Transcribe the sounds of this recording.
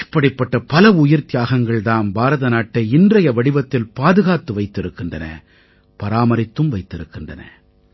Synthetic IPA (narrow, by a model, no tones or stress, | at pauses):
ɪpːɐɽɪpːɐʈːɐpɐlɐʊjɪɾt̪ɪjaːɣɐŋɡɐɭðaːnbaːɾɐðɐnaːʈːɐɪndrɐjɐʋɐɽɪʋɐt̪ːɪlpaːðɯɣaːt̪ːɯʋɐɪt̪ːɪɾɯkːɪndrɐnɐ̰ | pɐɾaːmɐɾɪt̪ːɯmʋɐɪt̪ːɪɾɯkːɪndrɐ̰nɐ̰